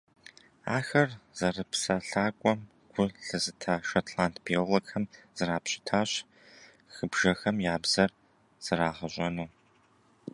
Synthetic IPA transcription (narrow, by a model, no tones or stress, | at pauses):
a̰ːxɐrz̥ɐrɨpsɐɬaːkʷʼɔm | ɡ̥ʷʊɬɨzɨtʰaːʃɐtʰlaːntʰbʰelɐkxʰɐmz̥ɨraːpɕʼɪ̥tʰaːɕ | xɨbʒ̥ɐxɐmjaːbz̥ɐr | z̥ɨraːʁɐɕʷʼɐnuː